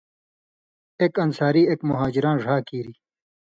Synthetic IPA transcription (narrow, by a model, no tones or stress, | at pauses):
eːkɐnsaːɾiːeːkmʊɦaːd͡ʑiɾãːnʐʱaːkiːɾiː